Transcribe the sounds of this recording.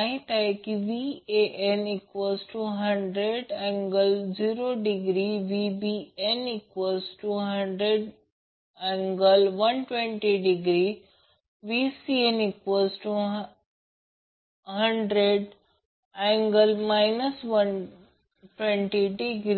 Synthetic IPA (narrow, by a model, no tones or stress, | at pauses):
aɦĩt̪aɦekiʋieʔenikʋəsʈuːɦəɳɖɾeɖẽŋɡəld͡ʑiːɾoɖiɡɾiʋibienikʋəsʈuːɦəɳɖɾeɖ | ɛ̃ŋɡəlʋɐnʈʋẽɳʈiɖiɡɾi | ʋiːsienikʋəsʈu | ɦəɳɖɾeɖ | ɛ̃ŋɡəlmaɪnəsʋən | ʈʋẽɳʈiɖiɡɾ